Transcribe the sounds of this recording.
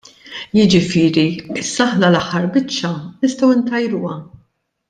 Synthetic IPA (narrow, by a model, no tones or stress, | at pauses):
jɪd͡ʒɪfɪːɾiɪsːɐɐħnɐlɐħːɐɾbɪt͡ʃːɐnɪst̪ɛwɪnt̪ɐjɾuːɐ